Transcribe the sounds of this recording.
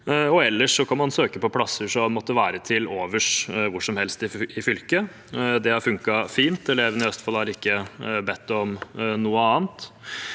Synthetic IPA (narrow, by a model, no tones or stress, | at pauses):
ɔɛlːəʂɔkʰɑnmɑnsøːkəpɔpʰlɑsːəʂɔmɔt̪ːəʋæːɾət̪ʰɪloːʋəʂʋʊʂɔmhɛlst̪ɪɪfʏlkə | d̪ɛhɑɾfʉŋkɑfiːnt̪ɛleʋnɪœst̪fɑlhɑɾɪkːəbɛt̪ːɔmnuːəɑːnt̪